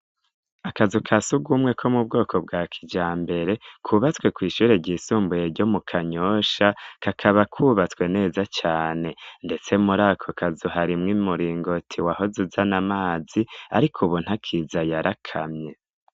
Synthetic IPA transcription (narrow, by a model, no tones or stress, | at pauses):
akazukʰasuɡumŋe̞kʰo̞mub̚ɡo̞ːkʰo̞b̚ɡaːkʰid͡ʒaːmbe̞ɾe̞kʰuβat͡swe̞kwiːʃuːɾe̞ɟiːsuːmbujeɾɟo̞mukʰaɲoːʃakakʰaβakʰuβat͡skwe̞ne̞ːzat͡ʃaːne̞nde̞t͡se̞muɾaːkʰokʰazuhaɾimŋimuɾiːŋɡo̞tʰiwaho̞zuzanamaːziaɾikʰuβun̥hakʰizajaɾʔakʰa̰mɲe̞